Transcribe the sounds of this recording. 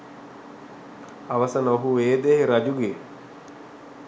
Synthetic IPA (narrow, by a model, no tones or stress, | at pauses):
aʋɐsɐnəoɦueːd̪eɦeɾɐd͡ʒuɡe